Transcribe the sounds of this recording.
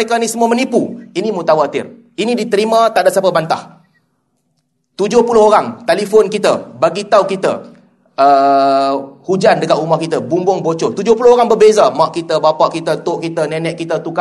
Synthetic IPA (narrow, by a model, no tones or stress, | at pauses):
ekanisəmuamənipuinĩmut̪awat̪ɪ̰r | inĩdit̪əɾimãt̪aʔdaʔsapabant̪a̰h | t̪ud͡ʒʊhpulʊhɦoɾaŋt̪alifonkit̪əbaɡit̪aukit̪ə̰ | ə | hud͡ʒandəkat̪umahkit̪əbumbʊŋbot͡ʃot̪ud͡ʒʊhpulʊoɾaŋbərbezamaʔkit̪əbapaʔkit̪ət̪ʊʔkit̪ənɛnɛʔkːit̪ət̪uka